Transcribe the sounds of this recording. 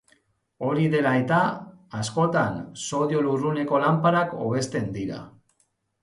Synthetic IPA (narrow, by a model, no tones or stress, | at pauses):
o̞ɾiðe̞laet̪aasko̞t̪anso̞ðio̞lurune̞ko̞lampaɾako̞̰β̞e̞st̪e̞nd̪iɾa̰